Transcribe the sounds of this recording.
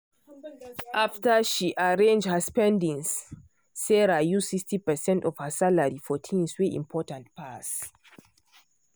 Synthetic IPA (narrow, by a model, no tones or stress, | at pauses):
ʔaftəʃiʔaɹẽnd͡ʒhəspɛ̃ndĩŋsː | ɛɹajuikstipəsɛ̃ntɔv̥həsalaɹifɔtʰĩnsweʔḭ̃mpʰɔtãnt̚pʰas